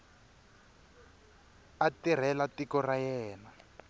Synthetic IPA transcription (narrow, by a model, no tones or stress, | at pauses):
atir̤ɛlatikɔrajɛːna